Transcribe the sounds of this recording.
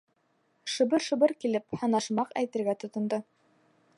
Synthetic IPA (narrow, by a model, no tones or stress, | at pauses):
ʃɤ̆βɤɾʃɤ̆bɤɾkilɘphɑnɑʃmɑqæ̰jt̪ɘ̆ɾɡæt̪ŏt̪ŏnd̪ɤ